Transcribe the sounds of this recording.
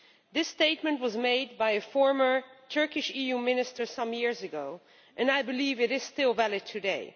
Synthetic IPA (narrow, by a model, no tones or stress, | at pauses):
ðɪsteɪt̚mɨ̃nt̚wʌzmeɪd̚baɪɨfɔɹmə˞tʰɜ˞kɨʃijumɪ̃nɨstə˞sʌ̃mjɪɹzɨɡoʊ | ʔɨ̃naɪbɨlivɨɾɪz̥stɪlˠvælˠɨd̚tʰɨdeɪ